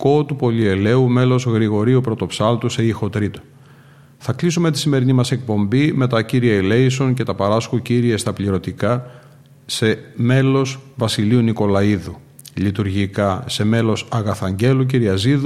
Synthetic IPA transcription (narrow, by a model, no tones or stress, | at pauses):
ko̞t̪upo̞lie̞le̞ume̞lo̞zɣɾiɣo̞ɾiupɾo̞t̪o̞psɐlt̪use̞ixo̞t̪ɾit̪o̥ | θɐklisume̞t̪i̥sime̞ɾinimɐsek̚po̞mbime̞t̪ɐciɾiɐile̞iso̞nce̞t̪ɐpɐɾɐsxuciɾie̞st̪ɐpliɾo̞t̪ikɐ | se̞me̞lo̞svɐsiliuniko̞lɐiðu | lit̪uɾʝikɐse̞me̞lo̞sɐɣɐθɐɲɟe̞luciɾiɐziðu